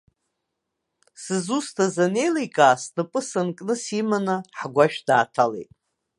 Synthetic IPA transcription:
sɨzustʰazane̞jlajkʼaːsnɨpʼɨsankʼnɨsimanaħɡʷaʃᶣd̥aːtʰalḛjtʼ

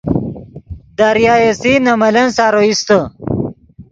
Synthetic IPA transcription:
d̪aɾjaːesinɐmɐlɐnsaːɾoist̪ə

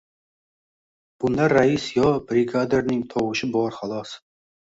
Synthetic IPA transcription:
b̥ʊnd̪aɾːaɪsjɒbɾɪɡad̪eɾnɪŋt̪ʰɒwɨʃɪbɒɾχalˠɒs

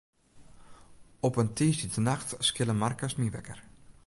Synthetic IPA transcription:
ɔpəntʰiːsətənaxtskɪləmarkasmiʋɛ̰kər

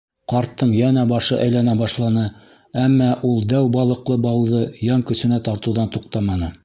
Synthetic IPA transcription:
qɑɾt̪ːɤɴjænæbɑʃɤʔæjlænæbɑʃlˠɑnɤ | æmːɑʔulˠd̪æwbɑlˠɤ̆qlˠɤbɑwðɤjɑŋkɵ̆sɘ̆næt̪ɑɾt̪ŭwðɑnt̪uqt̪ɑmɑnɤ

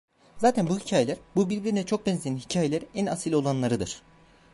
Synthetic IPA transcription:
zaːt̪ʰænbuhicʰaːje̞lʲæɾbubiɾbʲiɾinɛt͡ʃʰo̞k̚bɛnzʲijænhicʰaːjelʲæɾænasilʲo̞lˠanlˠaɾɯd̪ɯɾ̥

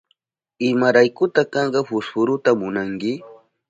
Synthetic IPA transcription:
ɪmaɾajkʊt̪akɑɴɢɑɸʊshʊɾʊt̪amʊnaŋkɪ

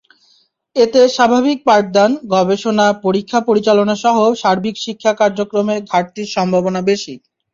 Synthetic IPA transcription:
et̪eʃabʱabik̚paɾd̪anɡɔbeʃonapoɾikʰːapoɾit͡ɕalonaʃɔɦoʃaɾbʱikʃikʰːakaɾd͡ʑokɾomed̪ʱaɾt̪iɾʃɔmbʱabonabeʃi

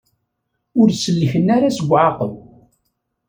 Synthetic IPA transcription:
ʊɾsəlːəçənːaɾasəɡʷːʕaqəm

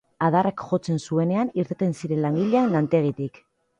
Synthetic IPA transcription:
að̞arakʝo̞t͡se̞nsue̞ne̞aniɾt̪et̪ensiɾe̞nlaŋɡiʎeanlant̪e̞ɣ̞it̪ik

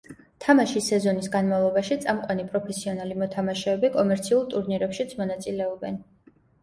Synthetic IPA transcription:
t̪ʰamaʃisɛzɔnisɡanmavlˠɔbaʃit̪sʼamqʼwanipʼɾɔpʰɛsiɔnalimɔt̪ʰamaʃɛɛbikʼɔmɛɾt̪sʰiulˠt̪ʼuɾniɾɛpʃit̪sʰmɔnat̪sʼilɛɔbɛn

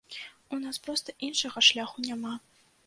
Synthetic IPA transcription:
unaspɾɔst̪ɐʔinʂɐɣɐʂlʲaxunʲama

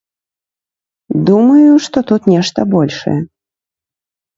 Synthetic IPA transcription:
d̪umɐjuʂt̪ɔt̪ut̪nʲɛʂt̪ɐbɔlʲʂɐ̰jɛ

